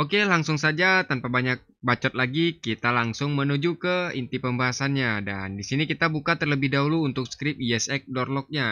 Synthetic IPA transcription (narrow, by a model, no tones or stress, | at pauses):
okelaŋsʊŋsad͡ʒat̪anpabaɲak̚bat͡ʃɔt̪̚laɡikit̪alaŋsʊŋmənud͡ʒukəint̪ipəmbaɦasanɲada̰ndisinikit̪abukat̪ərləbɪhdauluːnt̪ʊk̚skɾɪp̚iɛsɛk̚dɔrlɔk̚ɲa